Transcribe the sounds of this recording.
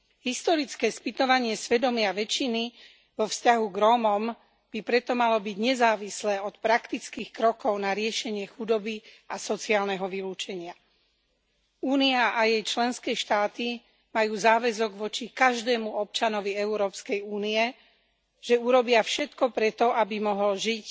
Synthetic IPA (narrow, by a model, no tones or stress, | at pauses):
ɦist̪ɔɾit͡skɛːspit̪ɔʋaɲɪɛsʋɛd̪ɔmɪaʋɛt͡ʃini | ʋɔfscaɦuɡɾɔːmɔm | b̥ipɾɛt̪ɔmalɔbiɟɲɛzaːʋislɛːɔt̪pɾakt̪it͡skiːxkɾɔkɔʊnaɾɪɛʃɛɲɪɛxud̪ɔbi | asɔt͡siaːlnɛɦɔʋiluːt͡ʃɛɲɪa | uːniaʔajɛjt͡ʃlɛnskɛːʃt̪aːt̪i | majuːzaːʋɛzɔɡʋɔt͡ʃikaʒd̪ɛːmuɔp̚t͡ʃanɔʋiɛuɾɔːpskɛjuːniɛ | ʒ̥ɛuɾɔbɪafʃɛt̪kɔpɾɛt̪ɔʔabimɔɦɔlʒic